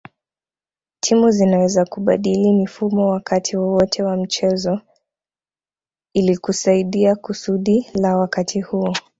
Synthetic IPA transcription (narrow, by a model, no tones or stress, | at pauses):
tʰimuzinawɛzakuɓaɗilimifumɔwakatʰiwɔwɔtʰɛwam̩t͡ʃɛzɔ | ilikusaiɗiakusuɗilawakatʰihuɔ